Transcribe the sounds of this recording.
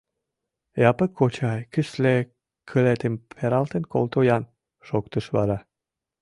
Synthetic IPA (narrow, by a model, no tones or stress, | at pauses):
jɑpəkʰːot͡ɕɑjkəsle | kʰəlet̪əmpʰeɾɑlt̪ənko̰lt̪ojɑn | ʃokt̪əʃβɑ̰ɾɑ